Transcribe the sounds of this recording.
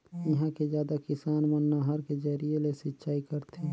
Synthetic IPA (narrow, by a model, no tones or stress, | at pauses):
iɦãked͡ʒjaːd̪akɪsaːnmənːaɦəɾked͡ʒəɾielesɪtːʃaːikəɾt̪ʰe